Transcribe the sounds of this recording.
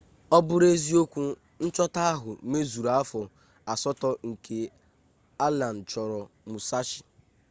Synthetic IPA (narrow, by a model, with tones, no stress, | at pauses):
ɔ˦bʊ˦ɾe˦zi˦o˦kʷu˦ | n̩˦t͡ʃɔ˦ta˦a˦ɦʊ˨˦me˦zu˨ɾa˦a˦fɔ˨ | a˨sɔ˦tɔ˦ŋ̩˨kʰe˨ | a˦la˨n̩˨t͡ʃɔ˨ɾɔ˨mʊ˨sa˦t͡ʃɪ̥˨